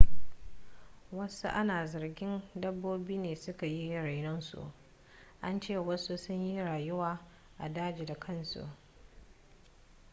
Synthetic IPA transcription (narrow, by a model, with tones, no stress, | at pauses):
wɐ˦sṵ˦ʔa˦naː˨zɐ˨rɡʲɪ˦ndɐ˦bːoː˦biː˦neː˨sʊ˦ka˨ji˦ɾa˨jnɔ˦nsṵ˨ʔ | ʔa˦nt͡ʃeː˦˨wɐ˦su˦sʊ˦ɲji˦ɽaː˨jʊ˦waː˨ | ʔa˨daː˦d͡ʒeː˨da˨kʰɐ˦nsṵ˨ʔ